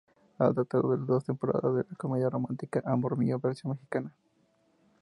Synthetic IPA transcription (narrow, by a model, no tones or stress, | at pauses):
a̰d̪at̪aṵβeld̪os̬t̪empoɾa̰ðaðelakomeðjaromant̪ikaʔamboɾmijobeɾt͡ʃamexikana